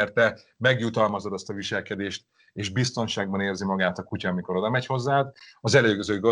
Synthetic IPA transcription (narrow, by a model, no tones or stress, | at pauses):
rt̪ɛ | mɛɡjut̪ɒlmɒzo̞d̪ɒst̪ɒviʃɛlkɛd̪eːʃt̪ | eːʒbist̪o̞nʃaːɡ̚bɒneːrzimɒɡaːt̪ɒkucɒːmiko̞ɾo̞d̪ɒmɛcho̞zːaːd̪ɒzɛløːɡøzøːɡo